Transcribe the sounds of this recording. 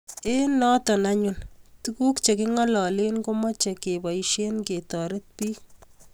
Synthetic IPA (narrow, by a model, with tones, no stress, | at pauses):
e˦nɔ˦tɔ˨na˦ɲu˨ntuku˦kt͡ʃe˨kɪ˦ŋɔ˦lɔ˨le˦nko˦mɔ˦t͡ʃe˨ke˨bɔ˨iʃe˦nke˨tɔ˨ɾe˦t̚piː˦